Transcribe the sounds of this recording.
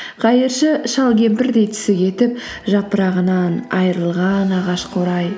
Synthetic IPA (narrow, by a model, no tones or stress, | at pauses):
qʰɑjəɾʃəʃɑlˠɡʲe̞mpɪɾd̪e̞jt̪ʰʏ̥sɪɡʲe̞t̪ɪp̚ | ʒɑpəɾɑʁənɑnɑjəɾəlˠʁɑnɑʁɑʃqʰoɾɑj